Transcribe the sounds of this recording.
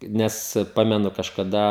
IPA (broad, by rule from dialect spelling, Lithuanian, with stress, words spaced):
ˈnʲɛs ˈpɑːmʲɛnʊ kɐʃkɐˈdɐ